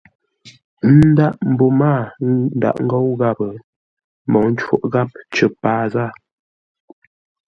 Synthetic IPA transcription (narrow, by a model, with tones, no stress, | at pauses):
n̩˦da˦ʔm̩˨bo˨maː˦˨n̩˦da̰˨ʔŋ̩˦ɡɔ˦wɣa˦˨bə˨ | mɔ˨ŋn̩˦t͡ʃwo̰˦˨ʔɣa˦p̚t͡ʃə˨paː˦za˦˨